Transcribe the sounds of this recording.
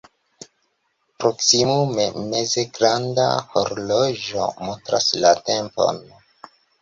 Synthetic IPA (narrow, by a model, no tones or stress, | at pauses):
pɾo̞ksimumeme̞ze̞ɡɾanda̰hoɾlod͡ʒo̞̰montɾaslate̞mpo̞̰n